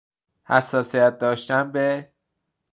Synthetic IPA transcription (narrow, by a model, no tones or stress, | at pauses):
hæsːɒːsijæt̪̚d̪ɒːʃt̪ænbe